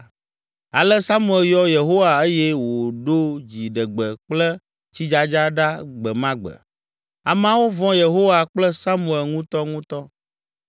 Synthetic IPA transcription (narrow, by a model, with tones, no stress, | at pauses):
a˨lə˦sa˦mũ˦˨ɛ˨ljɔ˦je˨ɦo˦wa˨e˦jɛ˦wo˨ɖo˦d͡ʑi˨ɖə˨ɡ͡bə˨k͡plə˦ | t͡ɕi˦d͡ʒa˦d͡ʒa˦ɖa˦ɡ͡bɛ˨mã˦ɡ͡bə̰˨ | a̰˨mã˦wo˦vɔ̃˦je˨ɦo˦wa˨k͡plə˦sa˦mũ˨ɛ˨lŋũ˦t̪ɔ˦ŋũ˦t̪ɔ˦